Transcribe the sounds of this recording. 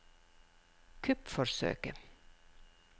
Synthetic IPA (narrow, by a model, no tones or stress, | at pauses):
kʰʉpfɔsø̰ːkə